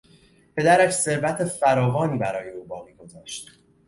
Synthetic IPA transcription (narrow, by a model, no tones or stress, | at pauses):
pʰe̞d̪æɾæʃse̞ɾvæt̪ʰefæɾɒːvɒːniːbæɾɒːje̞uːbɒːɣiːɡo̞zɒːʃt̪